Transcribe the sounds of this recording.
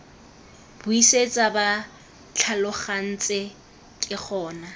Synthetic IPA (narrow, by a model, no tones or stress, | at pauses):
b̥ʊiset͡sʼaba | t͡ɬʰalʊχan̩t͡sʼɪ | kʼɪk͡xʰɔːna